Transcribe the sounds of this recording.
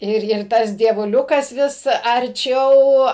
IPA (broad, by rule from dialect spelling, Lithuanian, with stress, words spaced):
ˈɪr ˈɪr ˈtɐs dʲiɛʋʊˈlʲʊkɐs ˈʋʲɪs ɐrʲˈt͡ʃʲɛʊ